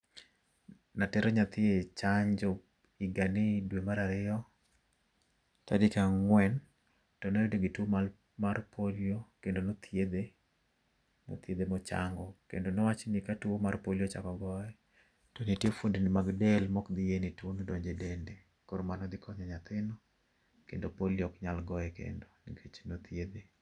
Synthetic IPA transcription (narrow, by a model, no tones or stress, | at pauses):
natɛɾɔɲat̪ɪet͡ʃaɲd͡ʒɔ | ɪɡanɪdwemaɾaɾɪɔ | ta̰dɪkaŋwɛn | tɔneɾidoɡɪtwomal | marpʰoljokendonot̪ʰjed̪e | mo̰t̪jed̪emɔt͡ʃa̰ŋɡɔkḛndonɔwat͡ʃnikatwomarpolijot͡ʃa̰kɔɡɔɛ | tɔnitjefundnimaɡdɛlmɔkd̪ɪjenitwonodoɲd͡ʒedende | koɾmanɔd̪ɪkʰɔɲɔɲat̪ɪnɔ | kendopoljɔkɲalɡɔɛkḛndoniɡet͡ʃnot̪jed̪e